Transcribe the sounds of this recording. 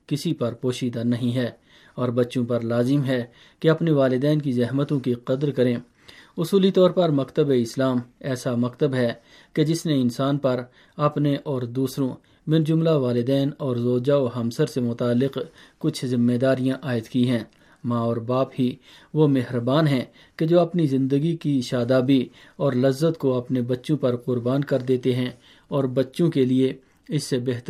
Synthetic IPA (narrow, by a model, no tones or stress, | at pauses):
kɪsipɐɾpoːʃiːd̪anɐɦĩɦɛː | ɔːɾbɐtːʃõpɐɾlaːzɪmɦɛ | keɐpneʋaːlɪd̪ɛːnkizɛɦmət̪õkiqɐd̪əɾkɐɾẽː | ʊsuːlit̪ɔːɾpɐɾmɐkt̪əbeɪslaːmɛːsamɐkt̪əbɦɛ | ked͡ʒɪsneɪnsaːnpɐɾ | ɐpneʔɔːɾd̪uːsɾõ | mɪɾd͡ʒʊmlaʋaːlɪd̪ɛːnɔːɾzoːd͡ʒaoɦɐmsəɾsemʊt̪aːlːɪqkʊt͡ʃʰzɪ̃mːed̪aːɾijãʔaːɪt̪kiɦɛ̃ː | mãːɔːɾbaːpɦi | ʋomeɦɾbaːnɦɛ̃ | ked͡ʒoːɐpnizɪ̃nd̪əɡikiʃaːd̪aːbi | ɔːɾlɐzːət̪koɐpnebɐtːʃõpɐɾqʊɾbaːnkɐɾd̪eːt̪eɦɛ̃ | ɔːɾbɐtːʃõkelie | ɪsːebeːɦt̪